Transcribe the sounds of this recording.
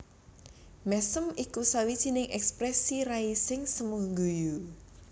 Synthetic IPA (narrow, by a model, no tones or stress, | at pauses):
mɛsəmikusawid̥ʒ̥i̤nɪŋʔɛkspɾɛsiɾaisɪŋsəmuhŋɡuju